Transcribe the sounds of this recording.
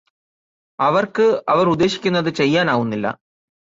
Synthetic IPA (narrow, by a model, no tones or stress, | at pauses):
ɐʋɐrkɨɐʋɐrud̪ːe̞ːɕi̥kʲːunːɐðɨt͡ɕe̞jːaːnaːʋunːilːɐ̰